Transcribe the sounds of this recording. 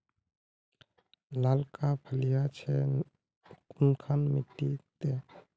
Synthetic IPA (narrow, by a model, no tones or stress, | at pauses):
laːlkapʰəlijat͡ʃʰɛ | kʊnkʰaːnmɪʈːit̪e